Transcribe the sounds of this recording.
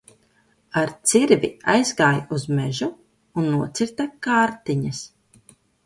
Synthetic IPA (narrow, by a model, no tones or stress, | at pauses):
aɾt̪siɾvia̰jzɡaːjuzmɛʒu | unːuɔt̪siɾt̪akaːɾt̪iɲas